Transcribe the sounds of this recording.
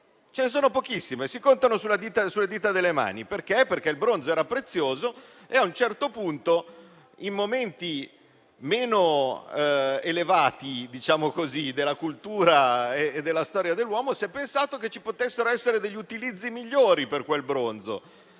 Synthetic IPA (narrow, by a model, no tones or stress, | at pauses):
t͡ʃenes̬oːnopok̟isːimesikont̪anosulːad̪iːt̪asulːad̪iːt̪ad̪elːema̰ːniperkeperk̟eilbɾond̪zoɛːɾapɾet̪sːjoːzo | eaunt͡ʃɛrt̪opunt̪o | imːoment̪i | meːno | elevaːt̪id̪it͡ʃaːmokozid̪elːakult̪uːɾaeːd̪ːelːast̪ɔːɾjad̪elːwɔːmosɛpːensaːt̪oket͡ʃipot̪esːeɾoɛsːeɾed̪eʎːiut̪ilid̪zːimiʎːoːɾiperkwelbɾond̪zo̰